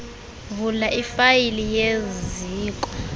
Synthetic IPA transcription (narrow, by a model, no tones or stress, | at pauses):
vulaʔifajilijeziːkʼɔ̥